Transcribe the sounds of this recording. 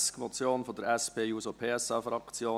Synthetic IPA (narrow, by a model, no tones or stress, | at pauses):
skmɔt͡sjoːnfod̪əɾɛspʰeːjuːsopʰeːɛsɑfɾɑkt͡sjoː